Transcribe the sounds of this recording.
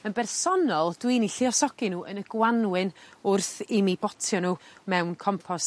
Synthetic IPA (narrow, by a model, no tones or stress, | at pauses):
ənbɛrsɔnɔlˠd̥winiɬɪɔsɔɡ̥inuːʔənəɡ̥wanwɪnʊrθimibɔtʰjɔnuːmɛwnkʰɔmpʰɔs